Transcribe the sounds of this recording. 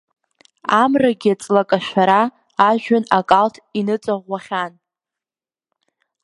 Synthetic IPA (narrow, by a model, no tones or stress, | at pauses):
amraɡʲiat͡sʼlakʼaʃʷaɾaː | ʒᶣanakʼaltʰinɨt͡sʼaʁʷːaχʲan